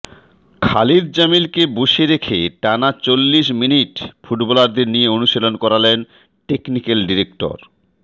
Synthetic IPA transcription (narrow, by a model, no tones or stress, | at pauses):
kʰaliɾd͡ʑamilkeboʃeɾekʰeʈanat͡ɕolːiʃminiʈfuʈbɔlaɾd̪eɾnijeonuʃelonkɔɾalen | ʈeknikelɖiɾekʈo̰ɾ